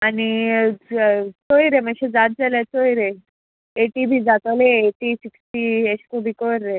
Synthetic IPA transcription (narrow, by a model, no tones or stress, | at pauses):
ani | t͡sojɾemə̃ɕed͡zat̪̚d͡zalet͡sojɾe | eʈibʱiːd͡zat̪aleːʈisiksʈieskobʱikoɾːe